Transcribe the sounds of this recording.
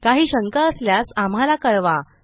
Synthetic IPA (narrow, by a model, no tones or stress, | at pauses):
kaɦiːɕəŋkəəsljasam̤alakəɾʋa